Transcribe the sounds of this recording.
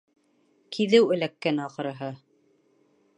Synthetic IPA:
kʰiðɘwɘ̆lækːænɑqɤ̆ɾɤ̆ɦɤ

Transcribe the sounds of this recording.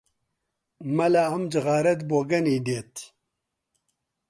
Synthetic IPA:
mɐlaɐmd͡ʒɨɣaːɾɐt̪boːɡɐniːd̪eːt̪

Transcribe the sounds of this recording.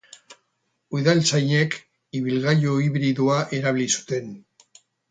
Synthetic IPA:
ujðalt͡sajɲek | iβ̞ilɣajoiβɾiðuaʔe̞ɾaβilisu̥t̪e̞n

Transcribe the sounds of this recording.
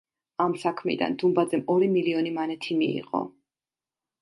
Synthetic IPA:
amsakʰmḭd̪a̰nd̪umbad̪zɛmɔɾimiliɔnimanɛt̪ʰimḭːʁɔ̰

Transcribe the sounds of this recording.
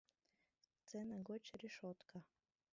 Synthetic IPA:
t̪sɛnaɡɔt͡ʃɾiʃɔt̪kʰa

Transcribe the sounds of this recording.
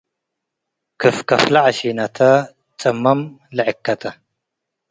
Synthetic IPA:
kʰɨfkɐflaʕʃinɐt̪ʰɐ | t͡sʼɐmːɐmlɐʕɪkːɐt̪ʰɐ

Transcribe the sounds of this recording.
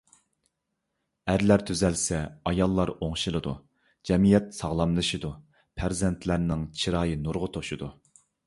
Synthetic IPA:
æɾlæɾt̪ʰyzɛlsɛɑjɑlˠːɑɾoŋʃilˠɨd̪u | d͡ʒɛmijɛt̪sɑʁlˠɑmlˠɨʃid̪u | pʰæɾzɛnt̪ʰlæɾnɪŋt͡ʃʰiɾɑːjinuɾʁʊt̪ʰoʃud̪u

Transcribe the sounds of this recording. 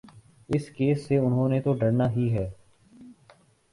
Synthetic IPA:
ɪskeːsːeʊnɦõːnet̪oɖəɽnaːɦiɦɛː

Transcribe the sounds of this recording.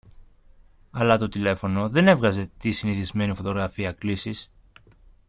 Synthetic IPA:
ɐlɐt̪o̞t̪ile̞fo̞no̞ðe̞ne̞vɣɐze̞t̪isiniθizme̞nifo̞t̪o̞ɣɾɐfiɐklisis

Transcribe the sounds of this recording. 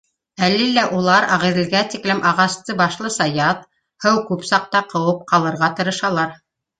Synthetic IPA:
ælːilæʔulˠɑɾɑʁĭðɘ̆lɡæt̪iklɘmʔɑʁɑst̪ɤbɑʃlˠɤsɑjɑt̪̚ | hɤwkʉpsɑq̚t̪ɑqɤ̆wɤp̚qɑlˠɤ̆ɾʁɑt̪ɤ̆ɾɤ̆ʃɑlˠɑɾ

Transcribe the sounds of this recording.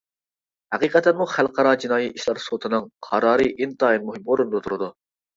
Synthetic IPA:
hæqiqɛt̪ɛnmuχælˠqɑɾɑd͡ʒinɑːjiʔiʃlˠɑɾsot̪ʰɨnɨŋqʰɑɾɑːɾɨʔint̪ɑːinmuɦɪmoɾund̪ot̪ʰuɾɨd̪u

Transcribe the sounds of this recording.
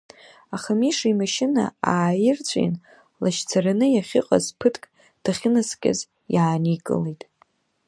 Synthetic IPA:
aχamiʂimaʃɪna̰aːjɪrt͡sʷʰʼj̰n | laʃt͡sʰaranɨjaχʲɪqʼa̰zpʰɨtʰkʼ | d̥aχʲɪnaskʲʼa̰z | jaːnikʼɨ̰lejtʼ

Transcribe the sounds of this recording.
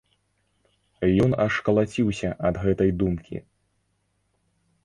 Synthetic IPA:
jɔnɐʂkɐlˠat͡sʲiwsʲɐʔɐd̪ɣɛt̪ɐjd̪umkʲʰḭ

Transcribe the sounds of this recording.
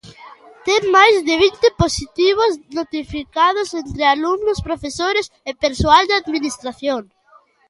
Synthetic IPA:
t̪emːajzðeβ̞int̪ɪposit̪iβ̞oznot̪ifikað̞osent̪ɾealumnospɾofesoɾes | epeɾsoald̪eaðminist̪ɾaθjoŋ

